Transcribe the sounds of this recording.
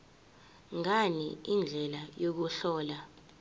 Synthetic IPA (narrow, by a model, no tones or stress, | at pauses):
ŋaniind͡ɮʱɛlajok̬uɬɔːla